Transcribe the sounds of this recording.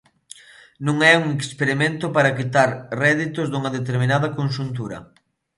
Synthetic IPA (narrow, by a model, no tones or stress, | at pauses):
nũŋɛuŋekspeɾimẽnt̪ʊpaɾɐkit̪aɾrɛðit̪ʊzd̪uŋɐðet̪eɾminaðɐkonʃ̬unt̪uɾɐ̰